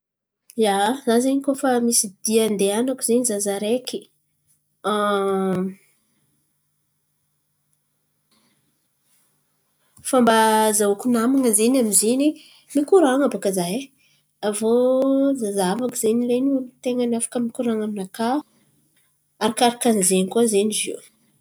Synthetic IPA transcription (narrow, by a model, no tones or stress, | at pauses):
jazazeɲikofamisid̪̥iand̪eanakuzenizazaɾeki | a | fambazaukunamaŋəzenamizeni | mikuɾaŋabakazaj | avozazavakizeɲilenult̪eŋənafḁkəmikuɾaŋaminaka | aɾakaɾakanizeɲikuazeɲizḭw